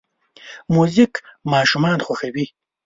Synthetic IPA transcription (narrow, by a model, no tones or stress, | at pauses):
muzikmɑːʃumɑːnxwaxawi